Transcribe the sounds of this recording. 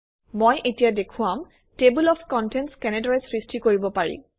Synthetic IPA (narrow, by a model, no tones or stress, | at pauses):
mojʔetijadekʰʊam | tebulɔpʰkɔntɛntskɛnedɔɹesɹistʰikoɹibɔpaɹḭ̃